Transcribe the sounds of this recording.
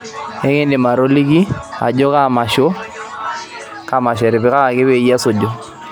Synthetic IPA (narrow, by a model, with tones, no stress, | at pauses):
ɛ˦ŋe˦ndɪ˨ma˨ɾo˦li˦ɡi˦a̰˨d͡ʒo˦ka˦˨ma˨ʃo˦ | ka˦˨ma˨ʃɛ˨ɾɪ˨bɪ˦ka˦ka˨kɪ˦be˦˨˦ja˦so˨d͡ʒo˨